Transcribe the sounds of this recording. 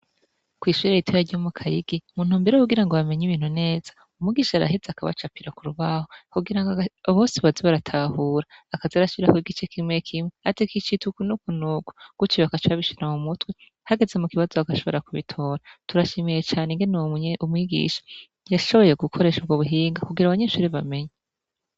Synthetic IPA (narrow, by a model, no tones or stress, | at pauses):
kwiːʃwiɾejitʰojaɾɟomukʰajiɡimun̥huːmbiɾehuɡiɾaŋɡoβame̞ɲiβiːn̥hune̞ːz̥ḁ | umŋiɡiːʃaaɾa̰ɦizeakaβa̰t͡ʃapiɾakuɾuβahohuɡiɾaŋɡaaβoːsiβaziβaɾatʰahuːɾaːkazaɾaʃiɾakwiɡit͡ʃekʰimŋwekʰimwehatekit͡ʃitukunukunuːɡu̥ɡ̥ut͡ʃijakat͡ʃaβiʃiɾamumutwe | haɡe̞ze̞mukiβazoakaʃo̞βo̞̰ɾakuβḭtʰo̞ːɾatuɾaʃimijet͡ʃaːneŋɡenumŋiːɡḭʃḁ | jaʃo̞βo̞je̞ɡukʰo̞ɾe̞ːʃubɡoβuɦiːŋɡakuɡiɾaβaɲeʃuɾiβame̞ɲa